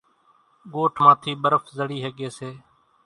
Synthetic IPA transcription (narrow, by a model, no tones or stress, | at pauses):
ɡoːʈʰmãːt̪ʰiːɓəɾəfzəɽiːɦəɠeːseː